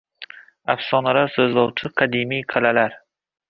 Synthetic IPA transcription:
afsɒnalaɾsɵzlɒwt͡ʃʰɪqʰɑd̪imijqʰalalaɾ

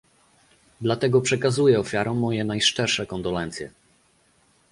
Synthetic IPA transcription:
d̪lat̪ɛɡɔpʂɛkazujɛɔfʲjaɾɔ̃mːɔjɛnajʂt͡ʂɛɾʂɛkɔnd̪ɔlɛnt̪sʲjɛ̰

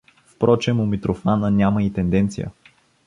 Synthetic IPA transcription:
fpɾʔɔt͡ʃɛmʊmit̪ɾofanənʲamɐit̪ɛnd̪ɛnt̪sijə̰

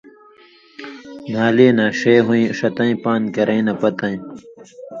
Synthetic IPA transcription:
nʱaːleːnãːɕeːɦũĩʂɐt̪ɐ̃ĩpaːnkɐɾɐ̃ĩnɐpɐt̪ɐ̃ĩ

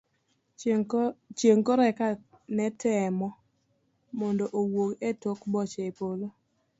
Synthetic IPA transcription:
t͡ʃeŋkoɾɛka | nɛtɛmɔ | mɔndoʔowoketokbɔt͡ʃɛepolo

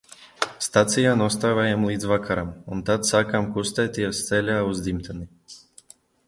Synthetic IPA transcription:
st̪at̪sijaːnuɔst̪aːvajamlˠiːd̪zvakʰaɾamunt̪at̪saːkamkust̪ɛjt̪iɛst̪sɛlʲaːuzd̪imt̪ani

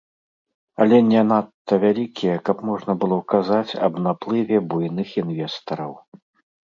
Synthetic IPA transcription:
ɐlʲɛnʲɛnat̪ːɐvʲalʲikʲijɛkɐpmɔʐnɐbɨlˠɔwkazat͡sʲɐ̰bnaplˠɨvʲɛbujnɨxinvʲɛst̪ɐɾɐw

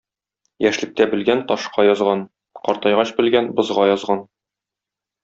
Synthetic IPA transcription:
jæʃlɘ̆k̚t̪æbɘ̆lɡænt̪ɒʃqɑjɒzʁɑn | qɒɾt̪ɑjʁɑɕbɘ̆lɡænbɤ̆zʁɑjɒzʁɑn

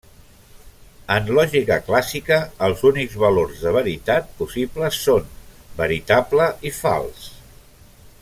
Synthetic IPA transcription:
ənlɔʒikəklasikəːlˠzunikzβəloɾzðəβ̞əɾit̪at̪̚pusipləsːonbəɾit̪abləifa̰lˠs

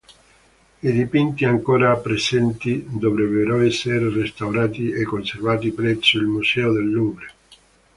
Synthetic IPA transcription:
id̪ipint̪iaŋkoːɾapɾesɛnt̪id̪ovɾebeɾoɛsːeɾerest̪awɾaːt̪iekːonservaːt̪ipɾɛsuilmusɛod̪elːubɾe

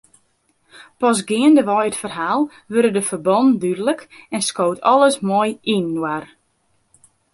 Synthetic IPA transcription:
pɔsɡɪəndəʋɔjətfərɦaːlˠ | ʋøɾədəfərbɔndydələkɛnskoːtʰɔlˠəsmojinːwar

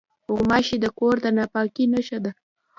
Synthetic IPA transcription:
ʊɣmɑʃid̪əkoɾd̪ənɑpɑkinaʃad̪a

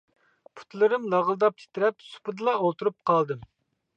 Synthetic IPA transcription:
pʰu̥t̪lˠɨɾɨmlˠɑʁəlˠd̪ɑp̚t̪ʲʰɪ̥t̪ɪɾɛpsu̥pɨd̪ɨlˠɑolˠt̪uɾup̚qʰɑlˠd̪ɨm

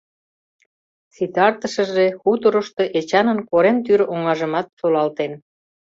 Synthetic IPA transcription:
t͡sit̪ɑrt̪əʃə̆ʒexut̪oɾoʃt̪oʔet͡ɕɑnənkoɾemt̪yɾoŋɑʒə̆mɑt̪ːolɑlt̪en

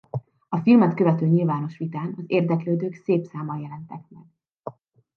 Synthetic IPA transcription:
ɒfilmɛt̪kø̞vɛt̪øːɲilvaːno̞ʃʋit̪aːnɒzeːrd̪ɛkløːd̪øːkseːpsaːmɒjɛlɛnt̪ɛk̚mɛ̰ɡ̚

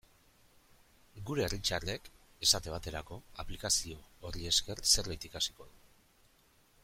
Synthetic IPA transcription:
ɡuɾe̞ːrit͡ʃare̞k | e̞sat̪e̞β̞at̪e̞ɾako̞aplikasio̞ːrie̞ske̞rse̞ɾβajt̪ikasi̥ko̞ðu

